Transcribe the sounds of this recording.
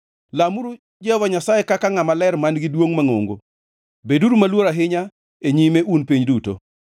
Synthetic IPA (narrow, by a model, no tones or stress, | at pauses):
lamuɾu | d͡ʒɛvaɲasajekakaŋamalɛrmanɡɪdwoŋmaŋo̰ŋɡo̰ | beduɾumalwoɾaɦɪɲa | eɲimeʔunpiɲduto̰